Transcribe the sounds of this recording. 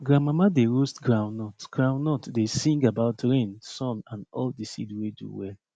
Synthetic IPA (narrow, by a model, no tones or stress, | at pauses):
ɡɹãmamadeɹostɡɹãw̃nːɔtɡ̥ɹãʊ̃nːɔtdesĩŋɡabaʊtɹẽnsɔ̃nãnɔldisidwedṵwɛl